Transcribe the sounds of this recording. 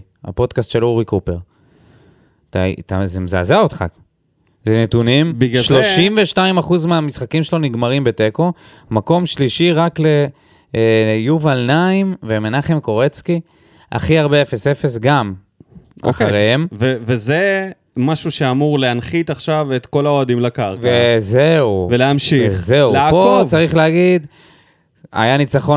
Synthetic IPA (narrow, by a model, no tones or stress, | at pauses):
a̰po̞d̪kastʃe̞luʁikupe̞ʁ | t̪a̰t̪azemza̰ːzaot̪χa̰ | zenet̪unimiɡʃloʃimveʃtaimaχuzmeamisχakimʃelo̞niɡmaʁimbe̞te̞ko̞ | mako̞mʃliʃiʁakle̞ | juvalnaimvemenaχemko̞ʁet͡ski | ʔa̰χiaʁbe̞efe̞se̞fe̞s̬ɡam | ʔa̰χaʁehemveveze | maʃuʃeamuʁleanχit̪aχʃavet̪ko̞laoad̪imlakaʁvezeuveleamʃize̞upot͡saʁiχleaɡid̪ | a̰janit͡saχo̞